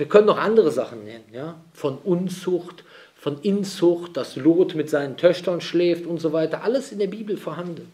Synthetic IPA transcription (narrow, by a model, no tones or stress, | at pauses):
viːɐkʰœnənːɔχʔandəʁ̞əzaχn̩nɛnənjaːfɔnʔʊnt͡sʊçt | fɔnʔɪnt͡sʊçt̚d̥asloːtmɪtz̥aɪnəntʰœçtɐnʃlɛːftʊntz̥ovaɪtɐʔaləsɪndeːɐbiːbl̩foːɐɦandn̩